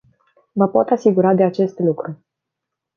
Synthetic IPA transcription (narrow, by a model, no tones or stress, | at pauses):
məpo̞t̪asiɡuɾad̪e̞at͡ʃe̞st̪lukɾu